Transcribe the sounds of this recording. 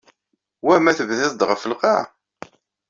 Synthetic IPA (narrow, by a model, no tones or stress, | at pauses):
wæmæθəvðæðd̪ʁəfəlqɑ